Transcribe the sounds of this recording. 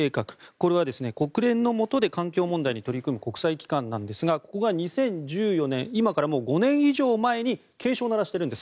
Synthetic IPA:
eːkakɯ̟̥ko̞ɾe̞β̞ad̪e̞sɨneko̞kɯ̟ɾẽ̞nːo̞mo̞t̪o̞d̪e̞kãŋkʲoːmõ̞nd̪aiɲ̟it̪o̞ɾʲikɯ̟mɯ̟ko̞kɯ̥saikʲi̥kãnːãnd̪e̞sɨɡako̞ko̞ɡaɲ̟isẽ̞ɲd͡ʑɨːjo̞nẽ̞ɰ̃imakaɾamo̞ːɡo̞nẽ̞ɰ̃iʑo̞ːmae̞ɲ̟i | ke̞ːɕo̞ːnaɾaɕi̥t̪e̞ɾɯ̃nd̪e̞s

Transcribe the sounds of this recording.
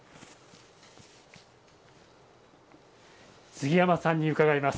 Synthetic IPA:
sɨɡʲijamasãɲ̟ːiɯ̟kaɡaimasɨ̥

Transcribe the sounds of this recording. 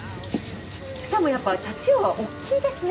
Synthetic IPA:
ɕi̥kamo̞japːait̪at͡ɕioβaʔo̞kʲʰːiːd̪e̞sɨn

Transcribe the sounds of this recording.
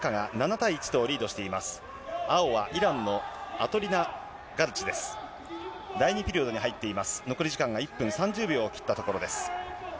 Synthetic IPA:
kaɡananat̪aiːt͡ɕi̥t̪o̞ːɾʲiːd̪o̞ɕi̥t̪e̞imasɨ̥ | ao̞βaʔiɾãnːo̞at̪o̞ɾʲina | ɡaɾɯ̟t͡ɕid̪e̞sɨ̥ | d̪aiɲ̟ipʲiɾʲio̞d̪o̞ɲiɦait̪ːe̞imasɨ̥no̞koɾʲiʑikãŋɡaipːɯ̟̃ɰ̃sãɲd͡ʑɨːbʲjo̞ːkʲi̥t̪ːat̪o̞ko̞ɾo̞d̪e̞sɨ̥

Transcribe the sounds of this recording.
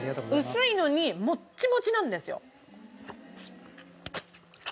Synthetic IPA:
ɯ̟sɨino̞ɲ̟imo̞t͡ɕːimo̞t͡ɕinãnd̪e̞sɨjo̞̰

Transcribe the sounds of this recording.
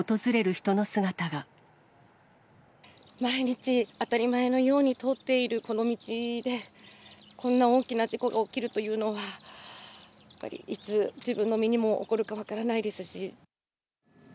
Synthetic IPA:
ot̪o̞zɨɾe̞ɾɯ̟çi̥t̪o̞no̞sɨɡat̪aɡa | maiɲ̟it͡ɕiat̪aɾʲimae̞no̞jo̞ːɲ̟it̪o̞t̪ːe̞iɾɯ̟ko̞no̞mʲit͡ɕid̪e̞ | kʰõ̞nːao̞ːkʲinad͡ʑiko̞ɡao̞kʲiɾɯ̟t̪o̞jɯ̟ːno̞βa | jjapːa̰ɾʲḭʔit͡sɨd͡ʑibɯ̟̃nːo̞mʲiɲ̟imo̞ʔo̰ko̞ɾɯ̟kaβ̞akaɾanaid̪e̞sɨɕi

